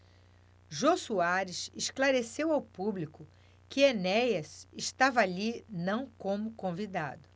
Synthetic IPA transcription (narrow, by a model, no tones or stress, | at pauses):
ʒosuaɾɪseʃklaɾesewawpublikʊ | kɪenɛjɐsɪʃt̪avɐalinɐ̃w̃kõmʊkõvid̪a̰d̪ʊ